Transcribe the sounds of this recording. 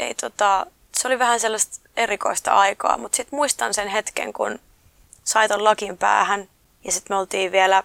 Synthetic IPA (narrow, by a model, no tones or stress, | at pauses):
ḛit̪ot̪ɑ | seoliʋæhænselːɑst̪ | erikoist̪ɑ̰ʔɑikɑ̰ːmut̪sit̪muist̪ɑnsenhet̪kḛŋkṵn | sɑit̪ollɑkimpæ̰ːhæn | jɑsit̪meolt̪iːʋʋielæ